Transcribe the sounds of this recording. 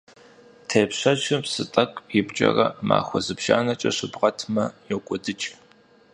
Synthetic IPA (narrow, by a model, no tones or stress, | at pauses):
tʰeːpɕɐt͡ʃʰʼɨpsɨtʼɐkʷʼjɪbt͡ʃʼɐ̰rɐma̰ːxʷɔzɨpʃaːnɐt͡ʃʼɐɕɨbʁɐtʰmɐjɛkʷʼɔdɨt͡ʃʼ